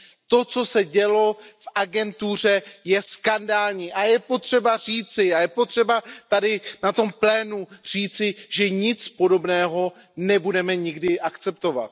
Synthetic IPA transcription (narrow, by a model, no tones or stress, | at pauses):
t̪o̞t͡so̞sɛɟɛlo̞fʔaɡɛnt̪ur̝ɛjɛskandaːlɲiːʔajɛpo̞t̪r̝̥ɛbar̝iːt͡sɪajɛpo̞t̪r̝̥ɛbat̪adɪnat̪o̞mplɛːnur̝̥iːt͡sɪʒɛɲɪt͡spo̞do̞bnɛːɦo̞ | nɛbudɛmɛɲɪɡdɪʔakt͡sɛp̚t̪o̞va̰t̪